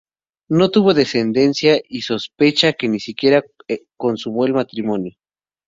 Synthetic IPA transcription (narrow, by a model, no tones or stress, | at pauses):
no̞t̪uβo̞ðe̞send̪e̞nsjaiso̞spe̞t͡ʃake̞nisikje̞ɾakonsuβwelmat̪ɾimonjo